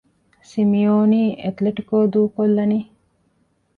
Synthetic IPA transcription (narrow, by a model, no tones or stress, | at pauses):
simijoːniːʔet̪leʈikoːd̪uːkolːɐni